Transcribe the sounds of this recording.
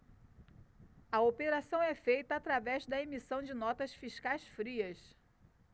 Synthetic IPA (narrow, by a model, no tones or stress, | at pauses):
ɐopeɾasɐ̃w̃ɛfejt̪ɐːt̪ɾavɛzd̪ɐemisɐ̃w̃d͡ʒɪnɔt̪ɐsfiʃkajsfɾiɐs